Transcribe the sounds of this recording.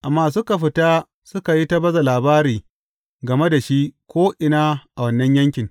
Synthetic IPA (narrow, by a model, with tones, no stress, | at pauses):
ʔa˨mːaː˨s̬u˦ka˨ɸɪ˨ta˦ | sʊ˦ka˨ji˦ta˦bɐ˦za˨laː˨baː˦ɾiː˨ | ɡɐ˨me˦da˨ʃi˦kʷoː˦ʔɪ˨naː˦ʔa˨wɐ˦nːɐ˦ɲjɐ˦ŋkʲɪ˨ŋ